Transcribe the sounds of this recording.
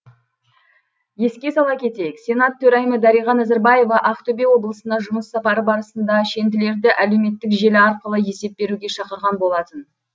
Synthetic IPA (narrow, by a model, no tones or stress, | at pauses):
je̞skʲe̞sɑlˠɑkʲʰe̞t̪e̞jɪksʲe̞nɑt̪ʰːɵɾɑjməd̪ɑɾijʁɑnæzɪɾbɑje̞vɑʔɑqt̪ɵbʲewo̞blˠəsənɑʒʊməsːɑpɑɾəbɑɾəsənd̪ɑʃe̞nd̪ɪle̞ɾd̪ɪʔæle̞wme̞t̪ːɪkʒe̞lɪɑɾqəlˠəje̞se̞p̚be̞ɾuɡʲe̞ʃɑqəɾʁɑnbo̞lˠɑt̪ən